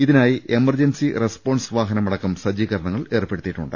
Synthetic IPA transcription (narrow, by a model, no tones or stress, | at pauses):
iðinaːjiʔe̞mɐrd͡ʑensirespo̞ːɳɖsʋaːɦɐnɐmɐɽɐkːɐmsɐd͡ʑiːkɐrɾɳɐŋːɐɭe̞ːrpe̞ɽut̪ːiʈːuɳɖɨ̰